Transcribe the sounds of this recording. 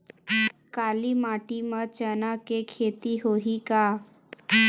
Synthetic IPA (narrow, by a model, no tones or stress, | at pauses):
kaːlimaːʈimət͡ʃənakekʰeːt̪iɦoɦika